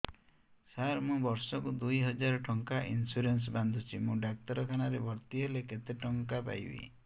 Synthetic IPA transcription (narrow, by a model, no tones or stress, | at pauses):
saɾmũbɔɾsɔkud̪ujɦɔd͡ʒaɾɔʈʰɔŋkaʔḭnsuɾens̬band̪ʱut͡ʃʰimũɖak̚t̪ɔɾɔkʰañaɾebʱɔɾt̪iɦeleket̪eʈɔŋkapa̰jbḭ